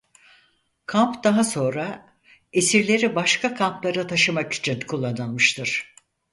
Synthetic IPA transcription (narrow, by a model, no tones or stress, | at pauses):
kʰampd̪aɦaso̞nɾa | esiɾlʲe̞ɾibaʃkʰakʰamplˠaɾat̪ʰaʃɯmaki̥t͡ʃʰinkʰulˠːanɯlˠmɯʃt̪ʰɯɾ̥